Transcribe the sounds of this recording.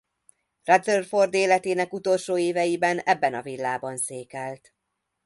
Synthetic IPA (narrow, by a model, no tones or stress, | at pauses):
rɛd̪zørfo̞rd̪eːlɛt̪eːnɛkut̪o̞lʃoːeːvɛjibɛnɛbːɛnɒvilːaːbɒnseːkɛlt̪